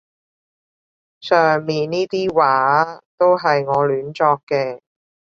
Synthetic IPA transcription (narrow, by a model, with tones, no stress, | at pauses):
sœː˨ŋmiː˨nniː˥t̪iː˥waː˨˥t̪o˥wɦɐ˨jŋɔː˨˧lyː˨˥nt͡sɔː˧kːɛː˧